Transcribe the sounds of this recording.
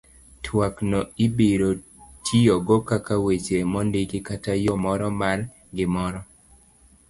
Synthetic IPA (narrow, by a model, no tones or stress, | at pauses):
tʰwaknɔibeɾo | tʰijɔɡɔkakawet͡ʃemɔndɪkɪkatajɔmɔɾɔmal | ɡɪmɔɾɔ